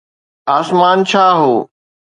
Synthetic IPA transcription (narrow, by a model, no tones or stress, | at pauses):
aːsmaːnt͡ɕʰaːɦoː